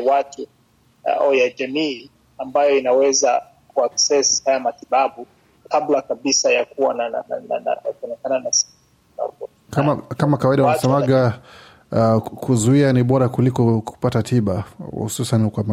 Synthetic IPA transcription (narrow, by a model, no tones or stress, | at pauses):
watu | awjad͡ʒamiː | ambajɔinawɛza | kuaksɛshajamatiɓaɓu | kablakaɓisajakuwanananana̰na̰aɔnɛkananasi̥ | a̰kɔ | kamakamakawaiɗawanasɛmaɡa | kʰuzuianiɓɔɾakulikɔku̥patatʰiɓahṵsusankama